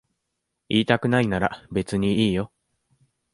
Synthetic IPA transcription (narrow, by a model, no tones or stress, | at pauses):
iːt̪akɯ̟nainaɾabe̞t͡sɨɲ̟iiːjo̞